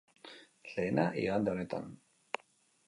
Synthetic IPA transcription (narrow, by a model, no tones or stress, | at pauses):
leːna̰ʔḭɣand̪eonet̪a̰n